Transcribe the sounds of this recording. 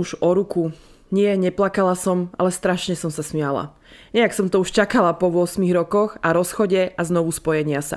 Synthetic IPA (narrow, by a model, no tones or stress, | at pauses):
uʒɔɾuku | ɲɪɛɲɛplakalasɔma̰lɛst̪ɾaʃɲɛsɔmsasmɪala̰ | ɲɛaksɔmt̪ɔuʃt͡ʃakalapɔʋʊɔsmiɣɾɔkɔxaɾɔsxɔɟɛʔaznɔʋuspɔjɛɲɪasa̰